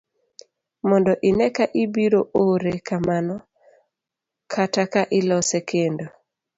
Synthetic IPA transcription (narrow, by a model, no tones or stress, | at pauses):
mɔndɔʔɪnɛkaʔibiɾoʔoɾekamanɔ | kʰatakaʔɪlɔsɛkʰendo